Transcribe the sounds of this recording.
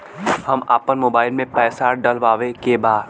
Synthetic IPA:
hɐma̰ːpənmoːbaːɪlmẽpɛːsaɖɐlʋaːʋekebaːd̪

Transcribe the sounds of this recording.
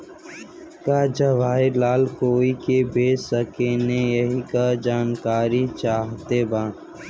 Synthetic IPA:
kaːd͡ʒəʋaːelaːlkoːikebʱeːsəkeːnẽjəɦikad͡ʒaːnkaːɾit͡ʃaːɦt̪eːbaː

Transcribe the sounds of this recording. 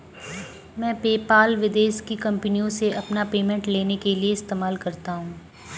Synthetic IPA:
mɛ̃ːpeːpaːlʋɪd̪eːʃkikɐ̃mpnijõseɐpnapeːmɛ̃ɳʈleːnekelieɪst̪eːmaːlkɐɾt̪aɦũː

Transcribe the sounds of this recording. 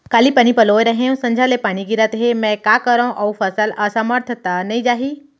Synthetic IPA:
kaːlipañipɐloːeɾɐɦẽũsɐ̃ɲd͡ʒʱalepaːñiɡɪɾət̪ɦemɛ̃kakəɾãʔɐufʰəsəlɐsaməɾt̪ʰət̪anɐĩd͡ʒaːɦiː

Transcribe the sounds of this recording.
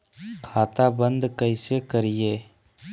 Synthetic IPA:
kʰaːt̪abə̃nd̪kəɪsekəɾijeː

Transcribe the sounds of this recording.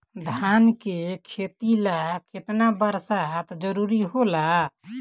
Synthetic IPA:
d̪ʱankekʰet̪ilakɪt̪nabəɾsat̪d͡ʒəɾuɾiɦola

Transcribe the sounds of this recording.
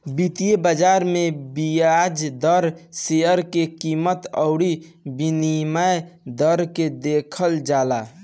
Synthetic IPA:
bit̪ijebəd͡ʒaɾmebijad͡ʒd̪əɾseəɾkekimət̪əʊɽi | binimajd̪əɾked̪ekʰəld͡ʒala

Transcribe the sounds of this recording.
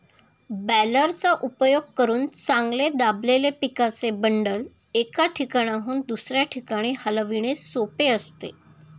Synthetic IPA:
bæləɾt͡saʔupəjoɡ̚kəɾuːnt͡saŋɡled̪ablelepikat͡sebəɳɖəl | ekaʈʰikaɽ̃aɦuːnd̪usɾjaʈʰikaɽ̃iːhəlʋiɳ̃esopeəst̪e

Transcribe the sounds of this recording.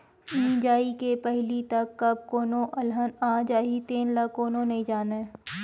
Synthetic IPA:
ĩːd͡ʒaːikepɛɦlit̪ɐkːɐb̚koːnõʔɐlɦənãːd͡ʒaːɦit̪eːnlakːoːnõnɐĩd͡ʒaːneː

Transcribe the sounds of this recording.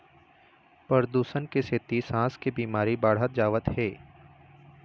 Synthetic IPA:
pəɾd̪uːsənkeset̪isãːskebiːmaːɾibaːɽ̤ɦət̪̚d͡ʒaːʋət̪ɦɛː

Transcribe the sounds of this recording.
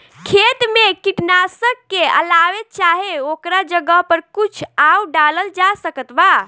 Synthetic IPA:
kʰet̪mekiʈnasəkːeə̰laʋet̪̚t͡ʃaɦeokɾad͡ʒəɡəpəɾkut͡ʃʰawɖaləld͡ʒasəkət̪ba

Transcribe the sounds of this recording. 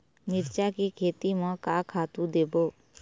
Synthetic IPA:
mɪɾt͡ʃakikʰeːt̪imə̃kakʰaːt̪ũd̪eːboː

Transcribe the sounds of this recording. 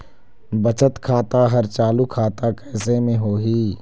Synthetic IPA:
bɐt͡ʃət̪kʰaːt̪aɦɐɾt͡ʃaːlukʰaːt̪akɛːsemẽɦoːɦiː

